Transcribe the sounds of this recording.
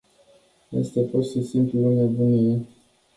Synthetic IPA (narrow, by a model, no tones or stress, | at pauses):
jḛst̪eporsisimpluunebunie